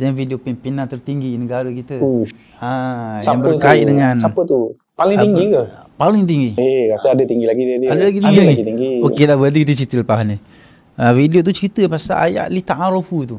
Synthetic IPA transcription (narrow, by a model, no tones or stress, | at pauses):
t̪ɲafidiopɛmpinant̪ərt̪iŋɡinəɡaɾəkit̪əu | ajsaaŋbəərkaḭʔdəŋansapət̪u | paliŋt̪iŋɡikəpalɪŋt̪̬iŋɡieɾasəadət̪iŋɡilaɡidədiadəlaɡit̪iŋɡilaɡiɡit̪iŋɡioedabəad̪ikit̪ət͡ʃit̪əlpaɦani | əfidiot̪ut͡ʃəɾit̪əpasa̰ʔa̰ja̰ʔlit̪aʔaɾofut̪u